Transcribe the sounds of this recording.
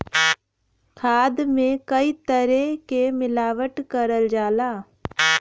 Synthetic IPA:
kʰaːd̪mẽkəit̪əɾɛkemɪlaːʋəʈkəɾəld͡ʒaːlaː

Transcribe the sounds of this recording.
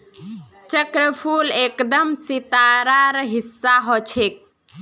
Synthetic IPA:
t͡ʃəkɾəpʰulekd̪əmsit̪aɾaɾɦisːaɦɔt͡ʃʰek̚

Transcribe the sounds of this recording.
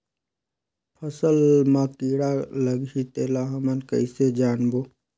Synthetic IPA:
pʰəsəlmãkiːɽaləɡɦit̪eːlaɦəmənkə̰ɪsed͡ʒaːnboː

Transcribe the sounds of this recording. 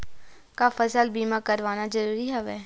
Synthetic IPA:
kafəsəlbiːmãkəɾʋaːnazəɾuːɾiɦɛʋɛː

